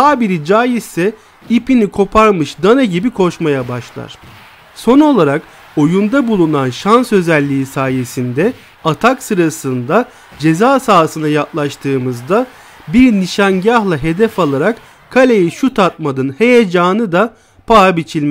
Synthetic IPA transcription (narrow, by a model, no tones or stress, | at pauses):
haːbiɾid͡ʒaːjizsɛ | ipinikʰo̞pʰaɾmɯʃd̪anaɟibikʰo̞ʃmajabaʃlˠa̰ɾ̥ | so̞no̞lˠaɾak | o̞jund̪abulˠunanʃansø̞zælʲːiisaːje̞sind̪ɛ | at̪ʰaksɯɾasɯnd̪a | d͡ʒe̞zaːsaːsɯnajaklˠaʃt̪ʰɯːmɯzd̪a | biɾniʃanɟahlˠaɦe̞d̪ɛfalˠaɾak | kʰːalʲejiʃut̪ʰat̪̚mad̪ɯnhe̞jed͡ʒaːnɯd̪a | pʰaabit͡ʃʰilʲmɛ